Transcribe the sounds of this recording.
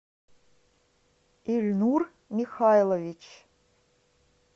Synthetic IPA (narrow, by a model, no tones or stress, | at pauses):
ilʲnur | mixajlˠovit͡ʃʰ